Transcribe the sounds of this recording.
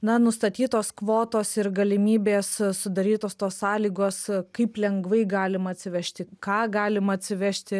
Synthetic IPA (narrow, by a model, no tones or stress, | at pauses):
nɐnʊst̪ɐt̪ʲiːt̪oːskʋoːt̪oːsɪɾɡɐlʲɪmʲiːbʲeːssʊd̪ɐɾʲiːt̪oːst̪oːssɑːlʲiːɡoːskɐɪplʲɛŋɡʋɐɪɡɑːlʲɪmɐɐt̪ʲsʲɪʋʲæːʃʲt̪ʲɪkɑːɡɑːlʲɪmɐɐt̪ʲsʲɪʋʲæʃʲt̪ʲɪ